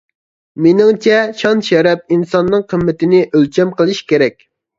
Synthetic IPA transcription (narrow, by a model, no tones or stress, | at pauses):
menɪŋt͡ʃʰɛʃɑnʃɛɾɛp̚insɑnːɨŋqʰəmːɪt̪ɪnɪʔølt͡ʃʰɛmqəlˠɨʃkʲeɾɛkʲ